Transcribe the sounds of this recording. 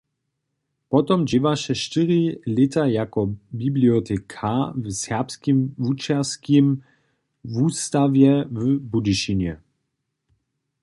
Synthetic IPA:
pɔt̪ɔmd͡ʒivaʃɛʃt̪ɪʁilɪt̪ajakɔbibliɔt̪ʰɛkʰavsɛʁpskimvut͡ʃɛʁskim | vuːst̪avjɛvəbudiʃinɛ

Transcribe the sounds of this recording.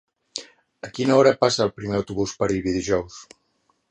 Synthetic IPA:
əkinəɔɾəpasəːlˠpɾimeəwt̪uβuspəɾiβiðiʒɔws

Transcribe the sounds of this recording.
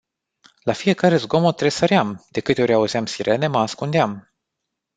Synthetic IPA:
lafije̞kaɾe̞zɡo̞mot̪ɾe̞səɾeamd̪̥e̞kɨt̪eo̞ɾʲauzeamsiɾʔe̞ne̞məaskund̪eam

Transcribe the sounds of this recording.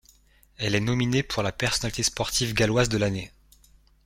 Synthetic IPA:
ɛlɛnɔminepʰuʁlapɛʁsɔnalit̪espɔʁt̪ʰivɡalwazd̪əlane

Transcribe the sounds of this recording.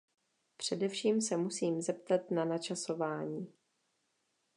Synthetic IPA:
pr̝̥ɛdɛfʃiːmsɛmusiːmzɛpt̪at̪nanat͡ʃaso̞vaːɲiː

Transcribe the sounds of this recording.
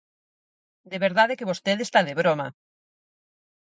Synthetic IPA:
d̪eβeɾðaðekeβost̪eðest̪aðeβ̞ɾoma

